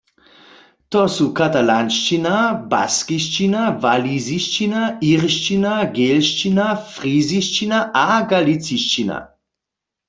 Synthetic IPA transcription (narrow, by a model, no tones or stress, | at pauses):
t̪ɔsukat̪alanʃt͡ʃinaba̰skiʃt͡ʃinavaliziʃt͡ʃinaʔiʁʃt͡ʃinaɡelʃt͡ʃinafʁiziʃt͡ʃinaʔaɡalit͡siʃt͡ʃina̰